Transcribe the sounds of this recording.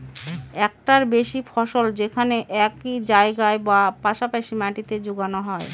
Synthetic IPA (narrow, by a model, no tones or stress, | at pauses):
ɛk̚ʈaɾbeʃifʰɔʃold͡ʑekʰaneʔɛkid͡ʑaeɡaebapaʃapaʃimaʈit̪ed͡ʑuɡanoɦɔe